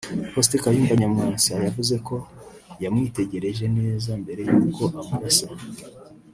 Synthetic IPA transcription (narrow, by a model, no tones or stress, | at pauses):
hostekajuːmbaɲamŋaːnsajavuze̞ko̞ | jamŋiːte̞ɟe̞ɾe̞ʒe̞neːzambe̞ɾe̞juːuko̞ʔamuβasa